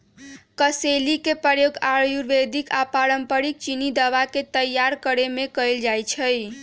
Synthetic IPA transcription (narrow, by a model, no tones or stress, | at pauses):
kəselikepɾəjoɡaɾjuɾʋed̪ʱikapaɾəmpəɾik̚t͡ʃinid̪əʋaket̪əjaɾkəɾemekəjld͡ʒajt͡ʃʰəj